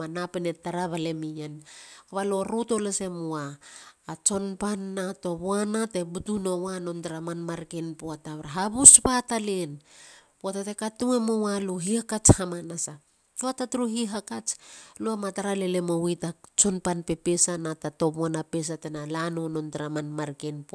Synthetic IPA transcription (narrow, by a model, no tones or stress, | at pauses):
manapene̞taɾaβale̞mijanaβalo̞ɾuto̞lese̞moaː | t͡ʃo̞npanːato̞βoanate̞butuno̞wano̞ntɾamanmaɾkenpoataβɾaɦaβuspatalenpoatatekatuemowaluɦihakat͡ʃhamanasa | uatatuɾuɦiɦakat͡ʃluamataɾalele̞mowitat͡ʃo̞npanpe̞pesanatato̞βoanape̞s̬atenalanono̞ntɾamanmaɾkenpo